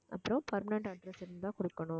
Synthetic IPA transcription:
ʔɐ̰pːɐɾɐ̃pɐɾmɐnɐɳʈɐɖɾɐsɪɾɯnd̪aːkɔɽɯkːɐɳʊ̃

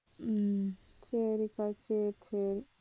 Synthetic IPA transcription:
t͡ʃeɾikat͡ʃet͡ʃʰeɾi

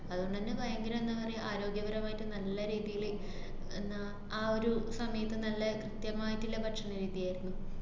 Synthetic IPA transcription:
ɐðuoɳɖ̪ɐnːebɐjɐŋɡɐɾmenːɐʋɐreʔaːɾo̞ːɡjɐɡɐɾɐmaːjtːɨnɐlːɐɾiːðijiɭe | enːɐ | aːo̞ɾusɐmɐjɐt̪ːɨnɐlːɐkrɨt̪jɐmaːjitːilːepɐʈʂɐɳːɐɾiːðijaːjiɾunːu

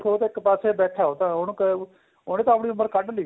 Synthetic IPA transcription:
kʰoːt̪ːɪkpaːseːbɛːʈʰaːɦoːt̪ãːɦʊnk | oːneːt̪õːəpɽ̃iːʊmːəɾkəɖliː

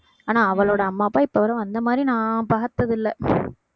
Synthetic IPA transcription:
aːnaːɐʋɐɭoːɽɐɐmːaːpːaːɪpːɐʋɐɾɐ̃ɐnd̪ɐmaːd̪ɾinãːpaːt̪ːɐðɪlːɐ

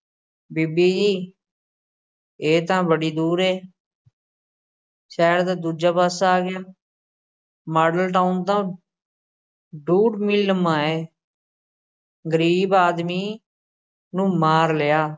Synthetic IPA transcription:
biːbiːd͡ʒiː | eːt̪ãːbəɽiːd̪uːɾɦeː | ʃɛːɾd̪aːd̪uːd͡ʒaːpaːsaːɡɪjaː | maːɖəlʈaːʊnt̪ãː | ɖuːɖmilːəmãːeː | ɡəɾiːbaːd̪miː | nũːmaːɾlɪjaː

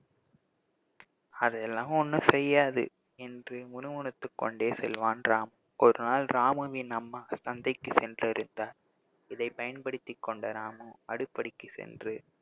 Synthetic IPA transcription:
ɐðɛlːãːmɔnːɯsɛjːaːðɯ̰ | ɛndrɯmʊnʊmʊɳɯt̪ːɯkːɔ̰ɳɖeːsɛ̰lʋaːnɾaːmɯ | ʔɔɾɯnaːlɾaːmɯʋɪnɐmːɐsɐnd̪ɐɪkːɯsɛndrɪɾɯnd̪aːɾ | ɪðɐɪpɐjɐnpɐɽɯt̪ːɪkːɔɳɖɐɾaːmɯɐɽɯpːɐɽɪkːɯsɛ̰ndrɯ

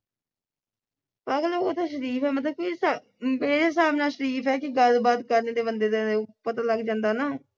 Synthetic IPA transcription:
paːɡlooːt̪ʰaːʃəɾiːfʰɛːmət̪ləb̚kisa | meːɾeːs̬aːmnaːʃəɾiːpʰɛːkɪɡəlbaːt̪kəɾneːd̪eːbənd̪eːd̪epət̪aːləɡd͡ʒãːnd̪aːnaː

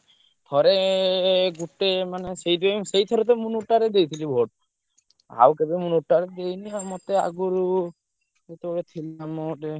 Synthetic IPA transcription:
t̪ʰɔɾe | ɡuʈemanesejdesejt̪ʰɔɾet̪̬emunuʈaɾed̪ejt̪ʰilibʱoʈ | a̰wkebimunuʈːaɾed̪ejniamɔt̪ea̰ɡuɾu | et̪ebɔbet̪ʰilamɔʈe

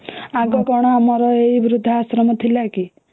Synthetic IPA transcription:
aɡɔkɔɽ̃ɔamɔɾɔeibiɾud̪ʱːaasɾɔmɔt̪ʰilaki

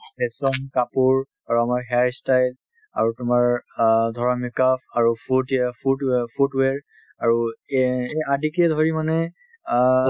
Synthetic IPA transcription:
bɛsɔmkapuɹ | aɹuamaɹɦɛajstajl | aɹutʊmaɹdʱɔɹamikapʰaɹufʰutɛfʰudpʰutweɹ | aɹu | adikɛdʱoɹimanɛ

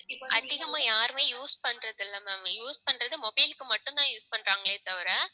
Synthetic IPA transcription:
ʔɐðɪɣɐmaːjaːɾɯmeːjuːspɐɳrɐðɪlːɐmɛːmjuːspɐɳrɐðɯmɔbɐɪlɯkːɯmɐʈːʊ̃nt̪ãːjuːspɐɳɾaːŋɡɐɭeːt̪ɐʋɪɾɐː

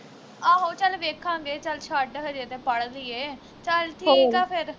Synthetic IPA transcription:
aːɦoːt͡ʃəlʋeːkʰãːŋɡeːt͡ʃəlt͡ʃʰaːɖəɦəd͡ʒeːt̪eːpəɽd̪iːeː | t͡ʃəlʈ̪ʰiːkãːpʰɪɾ

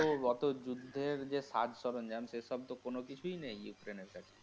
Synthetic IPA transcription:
oɔt̪od͡ʑud̪ʱːeɾd͡ʑesad͡ʒʱsɔɾond͡ʑamsesɔb̚t̪okonokit͡ɕʰujnejjukɾeneɾkat͡ɕʰe̥

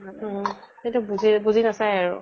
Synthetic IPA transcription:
kintubuzibuzinasajaɹʊ̰

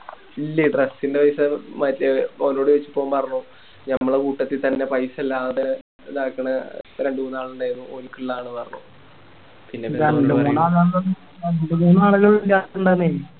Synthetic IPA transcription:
ilːɐɖresːindepɐjsɐmɐtlɐono̞ːɽɨʋet͡ɕːu̥pːoːmpɐrɐɲːu | ɲɐmːɐɭkuːʈːɐt̪ːit̪ɐnːe̞pɐjsɐlːaːðɨ | d̪aːkːɐɳɐɾe̞ɳɖɨuːnaːɭuɳɖaːjinːuoɾukːiɭːaːɳɨpɐrɐɲːṵ | pinːepaːnɖemuːnaːðaːɭɐnː | anuɳɖumuːnaːɭɨɣɐɭilːaːtɳɖane

